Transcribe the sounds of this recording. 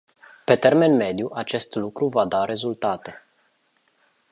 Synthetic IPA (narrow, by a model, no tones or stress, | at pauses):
pe̞t̪e̞rme̞nme̞d̪juʔat͡ʃe̞st̪lukɾuvad̪aɾe̞zult̪at̪e̞